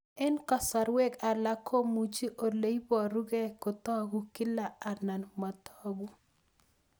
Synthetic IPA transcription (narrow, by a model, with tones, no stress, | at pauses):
ɛ˦nkɔ˨sa˨ɾwe˦ka˨la˦kʰo˦mu˨t͡ʃi˦ʔo˨le˨˦i˦bɔ˨ɾu˦ɡe˦kʊ˨t̪ɔ˦ɡu˦ki˦la˨a˨na˨nma˨tɔ˦ɡu˦